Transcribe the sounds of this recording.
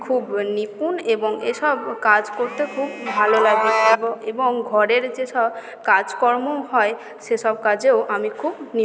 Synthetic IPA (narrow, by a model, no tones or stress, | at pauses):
kʰubnipuneboŋeʃɔbkad͡ʑkoɾt̪ekʰubbʱalolaɡiebeboŋɡʱɔɾeɾd͡ʑeʃɔb | kad͡ʑkɔɾmoɦɔe | ʃeʃɔbkad͡ʑeoʔamikʰubni